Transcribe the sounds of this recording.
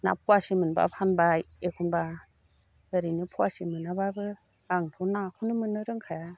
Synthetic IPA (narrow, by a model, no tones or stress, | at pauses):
na̰pʰuasimɯnba̰pʰanbajekʰunba | ɡəɾinɯpʰuwasimɯnababɯ | aŋtʰɔnakʰunɯmɯnːɯɾɯŋkʰaja